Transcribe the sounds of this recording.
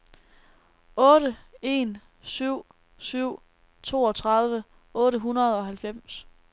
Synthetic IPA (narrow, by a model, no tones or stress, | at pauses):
ɔ̽ːɾəe̝n | syʊ̰ | syʊ̰ | t͡sʰo̝ːɒ̽t͡sʰʁɑ̈ðˠʋə | ɔ̽ːɾəɦunɐð̞ˠɒ̽ɦælfem̰s